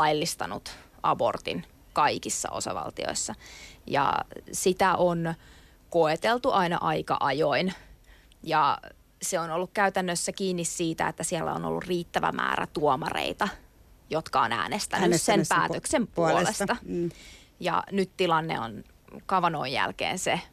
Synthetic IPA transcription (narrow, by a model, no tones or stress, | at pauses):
ɑjlːist̪ɑnut̪ | ʔɑbo̰rt̪ḭn | kɑikisːɑ̰osɑ̰ʋɑ̰lt̪io̰isːɑjɑ̰sit̪æʔon | koet̪elt̪uʔɑinɑ̰ʔɑikɑ̰ʔɑjoin | jɑ | seonolːukkæyt̪ænːøsːækiːnːissiːt̪æ̰et̪ːæsiɛlːæono̰lːṵrriːt̪ːæʋæ̰mʔæ̰ːɾæ̰t̪uomɑrḛit̪ɑ | jot̪kɑonæ̰ːnest̪ænːssempæːt̪øksempulolestt̪ɑ | jɑ̰nyt̪t̪ilɑnːḛo̰n | kɑʋɑnoijjæ̰lkḛːnse